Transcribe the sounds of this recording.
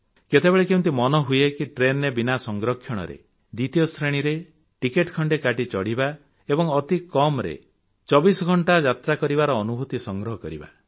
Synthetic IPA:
ket̪ebeɭekewũnt̪̬imɔnɔɦujekiʈɾenebinasɔŋɡɾɔkʰːjɔɽ̃ɔ̰ɾḛ | d̪it̪ijɔst̪ʰɾeɽ̃iɾe | ʈikeʈkʰɔɳɖekaʈit͡ʃɔɽiba | ebɔŋɔt̪ikɔmɾḛ | t͡ʃɔbisɔɡʱɔɳʈad͡ʒat̪ɾakɔɾibaɾɔːnubʱut̪isɔŋɡɾɔɦɔkɔɾiba̰

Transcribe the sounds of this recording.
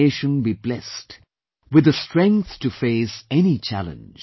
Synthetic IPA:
eɪʃə̃nbiblɛst | wɨðəstɹ̥ɛ̃ŋk̚θtɨfeɪsɛnit͡ʃʰæ̰lə̰̃nd͡ʒ̥

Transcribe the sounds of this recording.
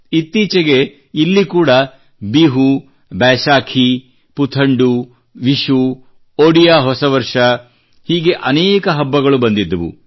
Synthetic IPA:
it̪ːiːt͡ʃɐɡe | ilːikuːɽɐ | biːɦu | bɛːʃaːkʰi | put̪ʰɐɳɖu | ʋiʃu | oɽijaːɦɔsɐʋɐɾʂɐ | hiːɡe̞ʔɐnɛːkɐɦɐbːɐɡɐɭubɐnd̪id̪ːɐʋṵ

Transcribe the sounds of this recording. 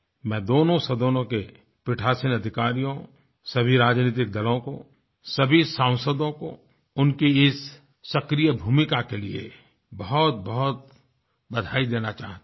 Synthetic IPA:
mɛ̃ːd̪oːnõsed̪oːnõke | pɪʈʰaːsɪnɐd̪ʱɪkaːɾijõ | sɐbʱiɾaːd͡ʒniːt̪̬ɪk̚d̪ɐlõko | sɐbʱisãːʊ̃səd̪õko̰ | ʊnkiɪsː | ɐkɾijəbʱuːmɪkakeliḛ | bɐɦɔt̪̚bɐɦɔt̪̚ | bɐd̪ʱaːid̪eːnat͡ʃa̰ːɦt̪

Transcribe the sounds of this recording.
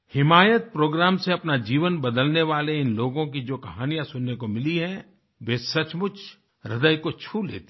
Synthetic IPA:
hɪmaːjət̪̚pɾoːɡɾaːmseɐpnad͡ʒiːʋənbɐd̪əlneʋaːleɪnloːɡõkid͡ʒoːkɐɦaːnijãsʊnːekomɪliɦɛ̃ | ʋeːsɐt͡ʃmʊt͡ʃʰ | ɾɪd̪əjkot͡ʃʰuːlḛːt̪i̥

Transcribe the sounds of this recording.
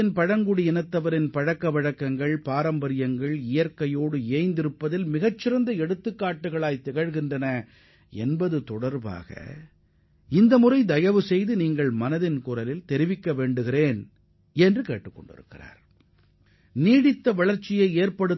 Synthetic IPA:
ɪnpɐɻɐŋɡʊɽɪɛnɐt̪ːɐʋɐɾɪnpɐɻɐkːɐʋɐɻɐkːɐŋɡɐɭpaːɾɐmbɐɾɪjɐŋɡɐɭɪjɐɾkɐjoːɽɯeːɐɪnd̪ɪɾɯpːɐðɪlmɪɣɐt͡ʃːɪɾɐnd̪ɐɛɽɯt̪ːɯkːaːʈːɯɣɐɭaːjt̪ɛɣɐɻɣɪndrɐnɐ | ɛ̰nbɐðɯt̪ɔɽɐɾba̰ːɣɐ̰ | ɪnd̪ɐmʊrɐɪd̪ɐjɐʋɯsɛjðɯniːŋɡɐɭmɐnɐðɪnkʊrɐlɪlt̪ɛɾɪʋɪkːɐʋeːɳɖɯɣɪɾeːn | ɛndrɯkeːʈːɯkːɔ̰ɳɖɪ̰ɾɯ̰kːɪra̰ːɾ | niːɽɪt̪ːɐʋɐɭɐɾt͡ʃːɪjɐɪeːɾpɐɽɯ

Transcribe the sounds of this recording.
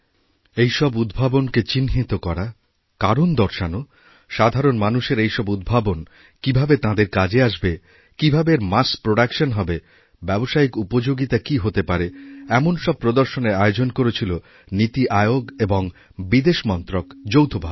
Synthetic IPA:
ejʃɔbud̪bʱabonket͡ɕinɦit̪okɔɾa | kaɾond̪ɔɾʃano | ʃad̪ʱaɾonmanuʃeɾejʃɔbud̪̚bʱabon | kibʱabet̪ãd̪eɾkad͡ʑeaʃbe | kibʱabeɾmaspɾoɖakʃonɦɔbe | bɛboʃaikupod͡ʑoɡit̪akiɦot̪epaɾeɛmonʃɔb̚pɾod̪oɾʃoneɾaeod͡ʑonkoɾet͡ɕʰilo | nit̪iʔaeoɡeboŋ | bid̪eʃmɔnt̪ɾokd͡ʑowt̪ʰobʱa̰b

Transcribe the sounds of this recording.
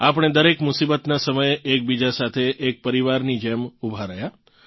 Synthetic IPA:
apəɽ̃ed̪əɾekmʊsibət̪nasəməjeʔek̚bid͡ʒasat̪ʰeʔːk̚pəɾiʋaɾnid͡ʒɛmubʱaɾəja

